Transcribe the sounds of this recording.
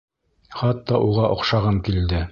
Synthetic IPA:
χɑt̪ːɑʔuʁɑʔŏqʃɑʁɤmkild̪ɘ

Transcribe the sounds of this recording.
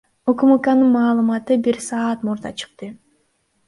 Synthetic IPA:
okumukanɯnmɑːlˠɯmɑt̪ɯbiɾsɑːt̪muɾd̪ɑ̰t͡ʃʰɯ̥q̚t̪ɯ

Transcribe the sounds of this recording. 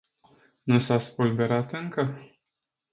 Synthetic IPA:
nusaspulbe̞ɾat̪ɨŋkə

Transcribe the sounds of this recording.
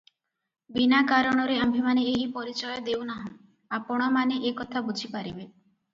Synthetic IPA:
binakaɾɔɽ̃ɔɾeambʱimaneeɦipɔɾit͡ʃɔjɔd̪ewnaɦɔ̃ | apɔɽ̃ɔmaneʔekɔt̪ʰabud͡ʒʱipaɾibe

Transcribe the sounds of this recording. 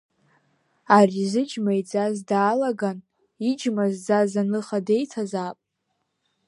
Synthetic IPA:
arizɨd͡ʒmajd͡zʼazdaːlaɡan | id͡ʒmazd͡zazanɨχade̞jtʰazaːpʼ

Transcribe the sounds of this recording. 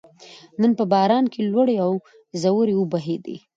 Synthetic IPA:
nənpəbɑɾɑnkʰelwəɽeaw | zawuɾeʊbaɦed̪ḛ

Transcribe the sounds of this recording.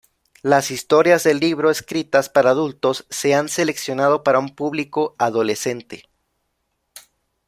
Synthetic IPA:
lasist̪o̞ɾjazðe̞lːiβɾo̞eskɾit̪aspaɾaːðult̪o̞sːe̞anse̞le̞ksjo̞nað̞o̞paɾaumpuβliko̞aðo̞le̞se̞nt̪e̞

